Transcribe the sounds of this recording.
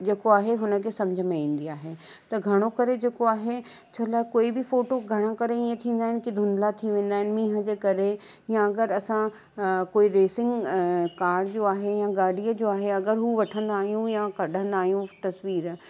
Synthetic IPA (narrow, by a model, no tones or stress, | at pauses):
d͡ʑeːkoaːɦeɦʊnə̆kʰeːsɐmd͡ʑʱəmẽĩːn̆d̪iaːɦe | t̪ɐɡʱɐɽ̃okɐɾed͡ʑeːkoaːɦe | t͡ɕʰɐlaːɛkoːibɪfoːʈoɡʱɐɽ̃ə̃kɐɾeiẽt̪ʰĩːnd̪aːɦɪnɪkid̪ʱʊ̃nd̪lat̪ʰiʋẽːn̆d̪aːɦɪnɪ̆mĩːɦə̆d͡ʑeːkɐɾe | jãɐɡəɾɐsã | koːiɾeːsɪ̃ŋɡkaːɾɖd͡ʑoːaːɦejãɡaːɽiəd͡ʑoːaːɦeɐɡəɾɦuʋɐʈʰə̃nd̪aːɦijũjãkɐɗʱə̃nd̪aːɦijũt̪ɐsʋiːɾ